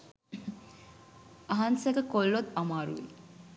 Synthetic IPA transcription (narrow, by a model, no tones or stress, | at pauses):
ɐɦansəkəkolːot̪amaːɾṵʋḛ